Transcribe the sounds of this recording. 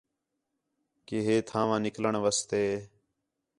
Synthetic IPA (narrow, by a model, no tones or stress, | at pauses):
keːɦeːt̪ʰãːʋãːnɪkləɳʋəst̪eː